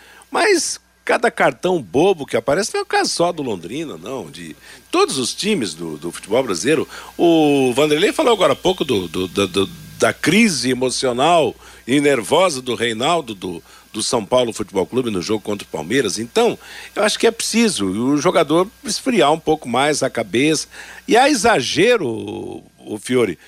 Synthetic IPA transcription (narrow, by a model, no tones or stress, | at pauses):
mɐjs | kad̪ɐkaɾt̪ɐ̃w̃bobʊkɪapaɾɛsɪñɛʊkazʊsɔd̪ʊlõnd̪ɾĩnɐ̰nɐ̃w̃d͡ʒɪ̰t̪od̪ʊzʊst͡ʃĩmɪzd̪ʊ̰d̪ʊfu̥t͡ʃɪbɔwbɾazileɾʊʊvɐ̃nd̪ɾelefalowaɡɔɾɐpowkʊd̪ʊd̪ʊd̪ɐd̪ʊd̪ɐkɾizɪemosionawɪneɾvɔzɐd̪ʊɦejnawd̪ʊd̪ʊ | d̪ʊsɐ̃w̃pawlʊfut͡ʃɪbɔwklubɪnʊʒoɡʊkõnt̪ɾʊ̥pa̰wmejɾɐzẽnt̪ɐ̃w̃ewaʃʊ̥kɪɛpɾɪ̥sizʊːʒoɡad̪oɾɪsfɾiaɾũpowkʊmajzɐkabesɐ̥ɪaizaʒeɾʊː | fioɾɪ